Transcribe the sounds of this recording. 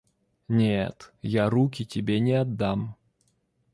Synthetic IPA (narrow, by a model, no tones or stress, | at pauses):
nʲet̪jaɾukʲɪtʲɪbʲenʲɪɐd̪ːam